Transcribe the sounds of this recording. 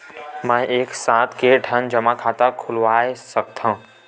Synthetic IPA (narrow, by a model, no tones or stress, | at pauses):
mə̃eːksãːt̪ʰkeɖʱənd͡ʒəmakʰat̪akʰʊlʋaːesək̚t̪ʰã